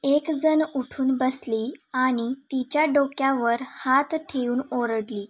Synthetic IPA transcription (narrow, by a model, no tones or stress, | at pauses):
ekd͡zənuʈʰuːnbəsliːaɽ̃it̪it͡ɕjaɖokjaʋəɾhat̪ʈʰeuːnoɾəɽliː